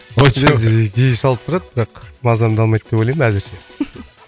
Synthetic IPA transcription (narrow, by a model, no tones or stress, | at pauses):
oeʒijɪʃɑlˠəp̚t̪ʰʊɾɑd̪bɪɾɑqmɑzd̪ɑmd̪ɑlˠmɑjt̪̚d̪epojljmæzɪɾʃe̞